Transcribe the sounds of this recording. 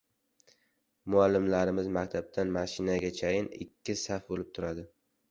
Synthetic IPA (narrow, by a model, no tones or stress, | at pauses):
mʊalːɪmlaɾɪmɪzmak̚ʲt̪ʰab̚t̪ʰanmaʃɪnaɡʲat͡ʃʰajɪnɪ̰kʲʰːɪsafbolɪp̚t̪ʰʊɾad̪ɪ